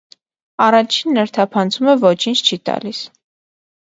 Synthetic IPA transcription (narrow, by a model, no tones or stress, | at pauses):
ɑrɑt͡ʃʰinːəɾt̪ʰɑpʰɑnt͡sʰumɛvɔt͡ʃʰint͡ʃʰt͡ʃʰit̪ɑ̰lis